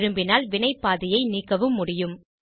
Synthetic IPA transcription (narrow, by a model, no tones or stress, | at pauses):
ɾɯmbɪnaːlʋɪnɐɪpːaːðɪjɐɪniːkːɐʋɯmːʊɽɪjɯm